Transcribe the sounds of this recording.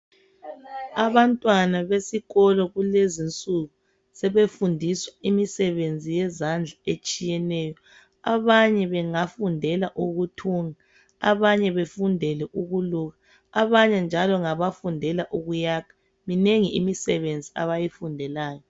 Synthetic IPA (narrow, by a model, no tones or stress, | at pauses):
aβantʼwanaβesiɣɔlɔɣulezint͡sʼuɣu | sɛβefundʱiswaimisɛβend͡zʱijɛzand͡ɮʱaet͡ʃʼijɛnɛːjɔ | aβaɲɛβɛŋafundʱɛlaʔuɣutʰuːŋa | aβaɲɛβefundʱɛlɛʔuɣuluɣa | aβaɲɛnd͡ʒʱalɔŋaβafundʱɛlaʔuɣujaːkʰḁ | mineŋiimisɛβend͡zʱia̰βajifundʱɛlaːjɔ